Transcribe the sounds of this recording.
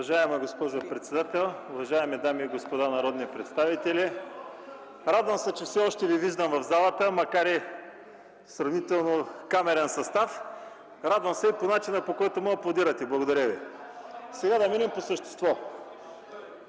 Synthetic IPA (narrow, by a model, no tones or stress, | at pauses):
vɐʒaɛmɛɡospɔʒopɾɛt̪sɛd̪at̪ɛlˠʊvɐʒaɛmɛd̪amiːɡospod̪anɐɾɔd̪nipɾɛt̪st̪avit̪ɛli | ɾad̪vəmsɛt͡ʃɛfsɛɔʃt̪ɛviviʒd̪əmvɐvzalˠət̪əmɐkaɾi | sɾɐvnit̪ɛlˠnokamɛɾɛnsɐst̪af | ɾad̪vɐmsɛiponat͡ʃinəpokɔjt̪oməplˠod̪iɾɐt̪ɛblˠɐɡod̪ɐɾʲjəvi | sɛɡad̪ɐminimposəʃt̪ɛ̥st̪vɔ